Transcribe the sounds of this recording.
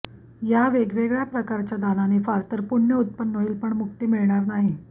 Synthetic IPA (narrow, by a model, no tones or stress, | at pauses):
jaʋeɡʋeɡɭjapɾəkaɾt͡ɕjad̪ananifaɾt̪əɾpuɳːjəut̪̚pənːoiːlpəɳmuk̚t̪iːmiɭɳaɾnaɦi